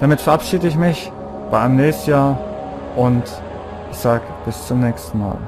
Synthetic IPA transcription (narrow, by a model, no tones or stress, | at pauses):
d̥amɪtfɛɐʔapʃiːdəɪçmɪç | b̥aɪʔaɪnəmnɛːstn̩jaːɐ | ʔʊnt | ʔɪçz̥aːɡəb̥ɪst͡sʊmnɛːçstn̩ma̰ːl